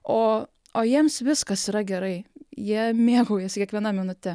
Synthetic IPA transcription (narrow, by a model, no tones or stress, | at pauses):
oː | oːjiɛmsʋʲɪskɐsiːɾɐɡʲɛɾɐɪjiɛmʲeːɡoʊjɛskʲiɛkʋʲiɛnɐmʲɪnʊt̪ʲɛ